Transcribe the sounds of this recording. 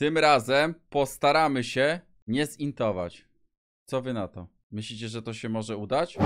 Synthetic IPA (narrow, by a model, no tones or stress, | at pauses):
t̪ɘmɾazɛmpɔst̪aɾamɘɕɛ | ɲɛzint̪ɔva̰t͡ɕ | t̪sɔvɘnat̪ɔ | mɘɕlʲit͡ɕɛʐɛt̪ɔɕɛmɔʐɛud̪at͡ɕ